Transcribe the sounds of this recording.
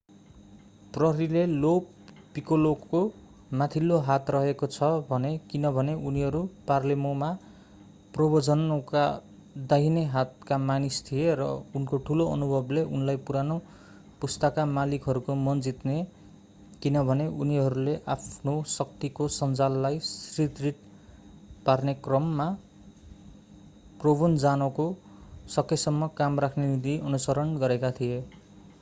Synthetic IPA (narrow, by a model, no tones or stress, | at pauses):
prʌɦʌɾilelo | pikolokːo | mat̪ʰilːoɦat̪rʌɦekot͡sʰʌbʱʌnekinʌbʱʌneuniɦʌɾuparlemoma | probod͡zʌnka̰ | d̪ajneɦat̪̚kamanist̪ʰijeɾʌ̰unkoʈʰuloʌ̰nubʱʌbleʔunlajpuɾano | pust̪ʌkamalikɦʌɾukomʌnd͡zit̪ne | kinʌbʱʌneʔuniɦʌɾuleʔapʰnosʌk̚t̪ikosʌnd͡zalːajsrit̪rit̪̚ | parnekrʌmːa | probond͡zanʌkosʌkʰesʌmːʌkamrakʰnenit̪iʔʌnusʌɾʌnɡʌɾekat̪ʰije